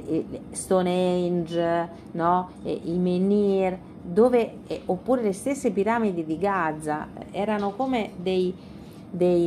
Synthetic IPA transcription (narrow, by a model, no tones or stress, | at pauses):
st̪onejnd͡ʒ | nɔ̰ | imeniɾ | d̪oːve | opːuːɾelest̪esːepiɾamid̪id̪iɡad̪zːaɛːɾanokoːmed̪ej | d̪ej